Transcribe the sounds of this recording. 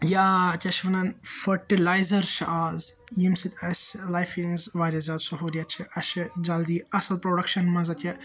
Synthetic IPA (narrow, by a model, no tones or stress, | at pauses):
jaːt̪ʲʰɐʃʋɐnɐnfɐʈilaːjzɐɾʃaːz | jimsit̪ʲʰɐsʲlajfiŋzʋaːɾʲɐzʲaːd̪soɦoːɾiɐt͡ʃʰiʔɐʃid͡ʒɐld̪iɐsɐlpɾoːɖɐkʃɐnmɐzɐt̪ʰʲe